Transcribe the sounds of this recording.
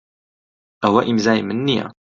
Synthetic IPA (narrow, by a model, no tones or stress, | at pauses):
ʔæwæʔimzajmənːiæ̰